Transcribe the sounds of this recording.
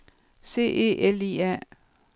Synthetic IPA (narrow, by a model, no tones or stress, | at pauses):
se̝̰ːʔe̝̰ːʔelḭæ̰